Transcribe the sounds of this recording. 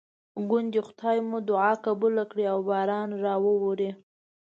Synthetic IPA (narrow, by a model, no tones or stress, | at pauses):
ɡʊnd̪ixʊ̥t̪ʰɑjmud̪ʊʕɑkabulakɽiawbɑɾɑnɾɑwəwoɾi